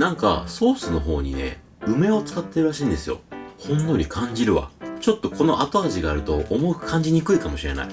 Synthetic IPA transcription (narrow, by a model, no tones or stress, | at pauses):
nãŋka̰so̞ːsɨno̞ɦo̞̰ːɲ̟ḭne̞̰ | ɯ̟me̞o̞t͡sɨ̥kat̪ːe̞ɾɯ̟ɾaɕĩːnd̪e̞sɨjo̞̰hõ̞nːo̞ɾʲikʰãɲ̟d͡ʑiɾɯ̟βa̰t͡ɕo̞t̪ːo̞kʰo̞no̞ʔat̪oaʑiɡaːɾɯ̟t̪o̞ʔːmo̞kɯ̥kʰãɲ̟d͡ʑiɲ̟ikɯ̟ikamo̞ɕiɾe̞̰na̰i